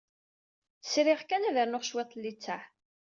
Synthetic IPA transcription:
sɾɪʁkænæðəɾnoʁʃwɪt̪ˤːlːit͡sːæħ

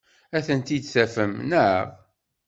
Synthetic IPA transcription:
æθənt̪id̪θæfəmnəʕə̰ʁ

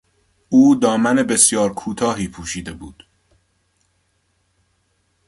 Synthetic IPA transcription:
uːd̪ɒːmæne̞be̞sjɒːɾkʰuːt̪ʰɒːɦiːpʰuːʃiːd̪e̞buːd̪̥

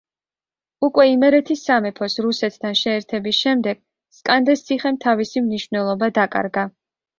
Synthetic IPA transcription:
ukʼwɛimɛɾɛt̪ʰisːamɛpʰɔsɾusɛt̪ʰt̪ʰanʃɛːɾt̪ʰɛbisʃɛmd̪ɛɡ̥ | skʼand̪ɛst̪sʰiχɛmt̪ʰavisimniʃvnɛlˠɔbad̪akʼa̰ɾɡa

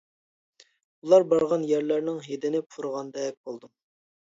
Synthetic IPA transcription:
ulˠɑɾbɑɾʁɑnjæɾlæɾnɪŋɦed̪ɪnɪpʰuɾʁɑnd̪ɛk̚ʲbolˠd̪um

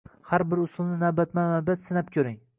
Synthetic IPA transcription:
haɾbɪɾʊsʊlˠnɪnabat̪manabat̪sɪnap̚kʲʰɵɾɪŋ

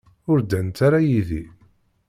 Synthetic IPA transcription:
ʊɾd̪ænt̪aɾajiðḭ

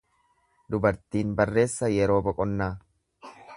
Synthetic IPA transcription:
d̪ʊbɐɾt̪iːnbɐrːe̞ːsːɐjɛɾo̞ːbɔkʼɔnːaː

